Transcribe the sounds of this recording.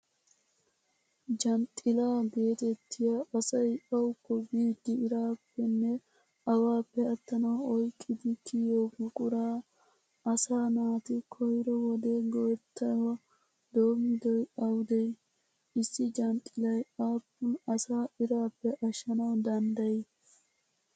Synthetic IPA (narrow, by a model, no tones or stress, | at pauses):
d͡ʒɐnt̪ʼɪlaːɡe̞ːt̪ɛt̪ːɪjaɐsɐjʔɐwʊkːɔbiːd̪ːɪɪɾaːpːɛnːɛ | ɐwaːpːɛɐt̪ːɐnɐwɔjkʼːɪd̪ɪkʰɪjoːɡʊkʼʊɾaː | ɐsaːnaːt̪ɪkʰɔjɾɔwɔd̪eːɡɔɾt̪ʰːɐjwɐ | d̪oːmɪd̪ɔjʔɐwd̪ej | ɪsːɪd͡ʒɐnt̪ʼːɪlɐjaːpːʊnɐsaːɪɾaːpːɛʔɐʃːɐnɐwd̪ɐnd̪ɐjɪ